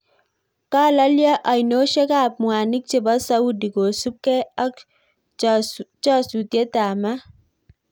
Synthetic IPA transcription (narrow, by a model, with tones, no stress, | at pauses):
ka˦la˦lja˦ʔa˨jno˦ʃe˦ka˦˨p̚mwa˨ni˦k̚t͡ʃe˨ba˦sa˦u˦di˨ɡo˨su˦p̚kɛ˦a˦k | t͡ʃa˦˨su˨t̪je˦ta˨ma˦